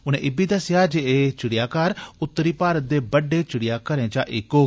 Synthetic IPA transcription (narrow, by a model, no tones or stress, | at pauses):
ʊnẽːʔɪbiːd̪əsjaːd͡ʒeeːt͡ʃɪɽɪjaːkəɾʊt̪ːəɾiːpaːɾət̪̚d̪eːbəɖːeːt͡ʃɪɽɪjaːkəɾẽːt͡ʃaːʔɪkoː